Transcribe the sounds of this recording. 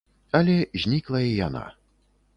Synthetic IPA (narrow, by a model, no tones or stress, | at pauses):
ɐlʲɛzʲnʲiklˠɐjɛja̰na̰